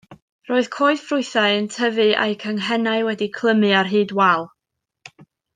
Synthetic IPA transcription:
roːɨð̥kʰoːɨðfrʊɨθaɨəntʰəvɨa̰jkʰəŋɦɛnaɨwɛdikʰlˠəmɨarɦɨːdwɛlˠ

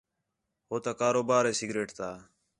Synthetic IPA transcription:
ɦoːt̪akaːɾoːbaːɾeːsiɡɾeːʈt̪aː

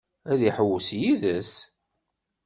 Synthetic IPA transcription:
æðiħəwːsjiðəs

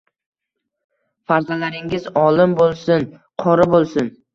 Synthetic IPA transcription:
faɾzalaɾɪŋɪzɒlɪmbolˠsʊnqʰɒɾɪbolˠsʊn

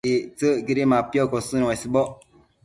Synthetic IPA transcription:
et͡səɡiɾimapiɔkɔsɨnasibɔ

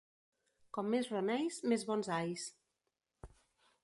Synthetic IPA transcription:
kɔmːezronɛjsmezβɔnzajs

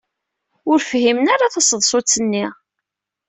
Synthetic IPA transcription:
ʊɾfhimənaɾaθɑsəðˤsˤot͡sːənːi

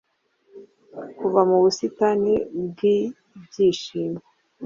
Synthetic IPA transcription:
kuvamuβusitanibɡi | bɟiːʃiːme

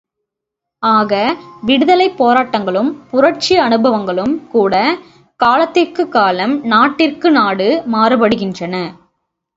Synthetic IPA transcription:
aːɣɐʋɪɽɯðɐlɐɪpːoːɾaːʈːɐŋɡɐɭɯmpʊrɐʈ̚t͡ʃiɐnɯbɐʋɐŋɡɐɭɯmkuːɽɐ | kaːlɐt̪ːɪrkɯkːaːlɐmnaːʈːɪrkɯnaːɽɯmaːrɯbɐɽɯɣɪndrɐnɐ

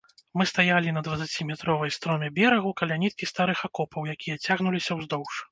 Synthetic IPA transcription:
mɨst̪ajalʲinɐd̪vɐt̪sat͡sʲimʲɛt̪ɾɔvɐjst̪ɾɔmʲɛbʲɛɾɐɣukɐlʲanʲit̪̚kʲist̪aɾɨxakɔpɐwjakʲijɐt͡sʲaɣnulʲisʲɐwzd̪ɔwʂ

